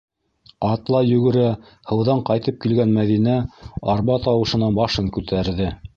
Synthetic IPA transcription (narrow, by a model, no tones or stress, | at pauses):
ɑt̪lˠɑjɵ̆ɡɘ̆ɾæ | hɤ̆wðɑɴqɑjt̪ɤp̚kilɡænmæðinæɑɾβɑt̪ɑwɤ̆ʃɤ̆nɑbɑʃɤŋkʉt̪ʰæɾðɘ